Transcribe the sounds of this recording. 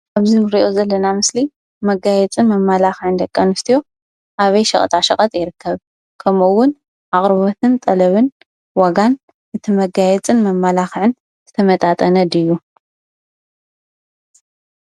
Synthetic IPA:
ʔaβzimɨɾiʔozɐlːɐnamɨsli | mɐɡajɛt͡sʼɨnmɐmːalaxʕɨnd̪ɐkʼːanɨst̪ʰijo̞ | ʔaβɐjʃɐ̰χʼt̪ʼaʃɐkʼɐt̪ʼjɪɾɨkʰːɐβ | kʰɐmuwːʊn | ʔaχʼɾɨβot̪ʰɨnt̪ʼɐlɐβɨn | waɡan | ʔɨt̪ʰimɐɡajɛt͡sʼɨnmɐmːalaxʕɨn | z̥ɨt̪ʰɐmɐt̪ʼat̪ʼɐnɐd̪ɨjːu

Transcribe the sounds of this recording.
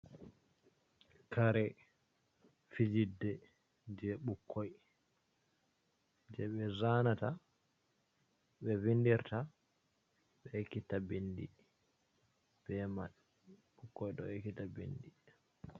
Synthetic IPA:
kʰaɾɛ | fid͡ʒidːɛ | d͡ʒɛɓukʰːɔj | d͡ʒɛɓɛzanata | ɓɛvindiɾta | ɓɛkːitːabendi | b̥ɛmaɗ | ɓukːɔjɗɔ̰ekːitabḛndi

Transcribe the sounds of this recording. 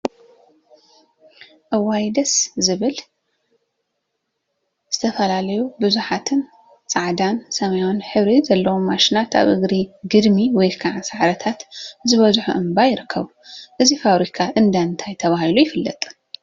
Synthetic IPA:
ʔɨwajd̪ɐszɨβɨl | z̥ɨt̪ʰɐfɐlalɐjubɨzuħat̪ʰɨn | t͡sʼaʕd̪ansɐmɐjonħɨβɾizɐlːɐwomaʃinat̪a̰βʔɨɡɾiɡɨd̪miwɔjkʰaʕasaʕɾɐt̪ʰat̪zɨβɐzħuʔɨmbajɪɾɨkʰːɐβuʔɨzifaβɾikʰaʔɨnd̪aɨnt̪ʰajt̪ʰɐβahilujɪfɨlːɐ̰t̪ʼ

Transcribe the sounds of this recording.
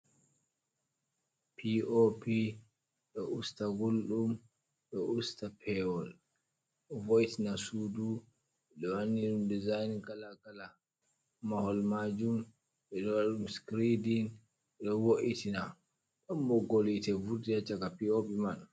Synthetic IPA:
pʰiopi | ɗɔustaɡulɗum | ɗɔustapʰɛwɔl | ɗɔvojtinasudu | ɓɛɗɔwanːiɗumdizajnɡalaɡala | mahɔlmad͡ʒum | ɓɛɗɔwaɗumskɾidin | ɛɗɔwoʔitina | ɗɔmbɔɡolitɛvuɾdijat͡ʃaɡapiopiman

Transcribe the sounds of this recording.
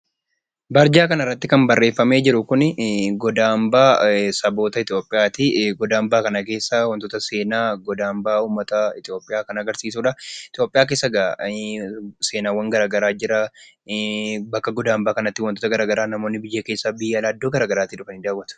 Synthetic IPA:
bɐɾd͡ʒaːkɐnɪrːɐt̪ːɪkɐmbɐrːe̞ːfːɐme̞ːd͡ʒɪɾʊkʊnɡɔd̪aːmbaːsɐbo̞ːt̪ɐɪt̪ɪjo̞ːpʼːɪjaːt̪ɪɡɔd̪aːmbaːkɐnɐke̞ːsːawɐnt̪oːt̪ɐse̞ːnaːɡɔd̪aːmbaːuːmːɐt̪ɐɪt̪ɪjo̞ːpʼɪjaːkɐnɐɡɐɾsiːsuːᶑɐɪt̪ɪjoːpʼːɪjaːk̬e̞ːsːɐɡɐ | se̞ːnaːwɐŋɡɐɾaːɡɐɾaːd͡ʒɪɾɐ | bɐkːɐɡɔd̪aːmbaːkɐnɐt̪ːɪwɐnt̪ot̪ɐɡɐɾaːɡɐɾaːnɐmo̞ːnːɪbɪjːeːkeːsːabɪjɐlaːd̪ːoːɡɐɾaːɡɐɾaːt̪ɪᶑʊfɐnɪd̪aːwːɐt̪ʊ̥

